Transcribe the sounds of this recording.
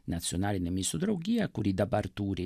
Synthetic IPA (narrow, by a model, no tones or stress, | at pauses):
nat̪sːjɔnaːlinɛmisud̪ɾoɡiakuɾid̪abaɾt̪uːɾi